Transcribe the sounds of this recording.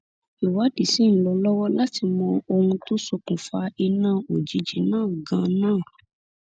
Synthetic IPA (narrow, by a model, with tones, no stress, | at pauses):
i˨wa˨˦di˨si˦n̩˦lɔ˧lɔ˦wɔ˦la˦ti˧mɔ̃˧o˧hũ˧to˦so˧kũ˨fa˧i˧nãː˦˨o˨d͡ʒi˨˦d͡ʒi˨˦nãː˦˨ɡã˨˧nãː˦˨